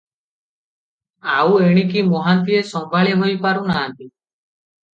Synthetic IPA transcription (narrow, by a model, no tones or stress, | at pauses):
aweɽ̃ikimɔɦant̪iesɔŋbʱaɭeɦojpaɾunaɦːnt̪i